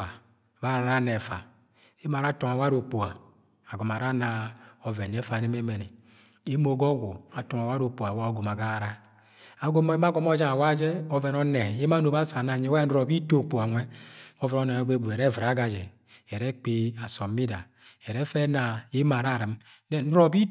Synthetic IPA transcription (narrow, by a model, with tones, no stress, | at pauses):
a˨ | ba˦ɾa˨ɾa˦nɛ˨fa̰˨ | e˦ma˨ɾa˦tɔ˨ŋa˨wa˦ɾo˨k͡pu˨a˨ | a˨ɡɔ˨m˨a˨ɾa˦na˨ɔ˨vɛ˨nɛ˦fa˨ɾe˦me˦me˨ni˨ | e˦mo˨ɡɔ˦ɡʷu˨a˨tɔ˨ŋa˨wa˦ɾo˨k͡pu˨a˨wa˦o˨˦ɡo˨ma˨ɡa˦ɾa˨ɾa˦ | a˨ɡo˦m˦m˦a˦ɡɔ˦m˦ɔ˦d͡ʒa˦a˨wa˦d͡ʒɛ˦ɔ˦vɛ˨nɔ˦nɛ˨e˦ma˦no˨ba˦sa˨na˨ɲe˦we˦n̩˦ɾo˨bi˦to˦˨k͡pu˨a˨nʷɛ˦ɔ˦vɛ˨nɔ˦nɛ˨˦be˦bu˨e˨ɾe˦˨vɾa˨˦ɡa˨d͡ʒɛ˨ | ɛ˨ɾe˦k͡pe˦a˨so˨mi˦da̰˨ | ɛ˨ɾɛ˦fɛ˦na˨e˦ma˨ɾa˦˨ɾi˨m | nɛ˦n̩˦ɾɔ˨bi˦